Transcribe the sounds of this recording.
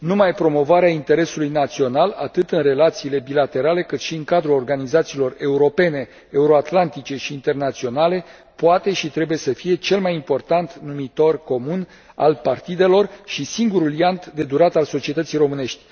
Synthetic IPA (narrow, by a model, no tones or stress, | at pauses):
numajpɾo̞mo̞vaɾeaint̪e̞ɾe̞sulujnat̪sio̞nalat̪ɨt̪ɨnre̞lat̪siːle̞bilat̪e̞ɾale̞kɨt̪ʃiɨŋkad̪ɾulo̞rɡanizat̪siːlo̞re̞uɾo̞pe̞ne̞ː | uɾo̞at̪lant̪it͡ʃe̞ʃiːnt̪e̞rnat̪sio̞nale̞ | poat̪e̞ʃit̪ɾe̞buje̞səfije̞t͡ʃe̞lmajimpo̞rt̪ant̪numit̪o̞rko̞mun | a̰lpart̪id̪e̞lo̞rʃisiŋɡuɾuljant̪d̪e̞d̪uɾat̪also̞t͡ʃiet̪ət̪sijrɾo̞mɨne̞ʃt̪ʲ